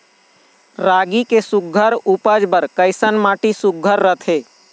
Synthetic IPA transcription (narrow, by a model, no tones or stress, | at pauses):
ɾaːɡikesʊk̚ːəɾupəd͡ʒbəɾkəɪsənmaːʈisʊɡʱəɾːət̪ʰeː